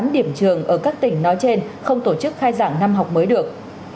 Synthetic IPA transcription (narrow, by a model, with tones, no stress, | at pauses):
mɗi˧˩əmt͡ɕɨ˨˩əŋʔəː˧˩kaː˦˥k̚t̪ï˧˩ŋ̟nɔ˨˦jt͡ɕe˧nxə˧wŋ͡mt̪o˧˩t͡ɕɨ˦˥k̚xaː˧jza̰ː˧˩ŋna˧mɦa˨˩wk͡p̚məː˨˦jɗɨ˨˩ək̚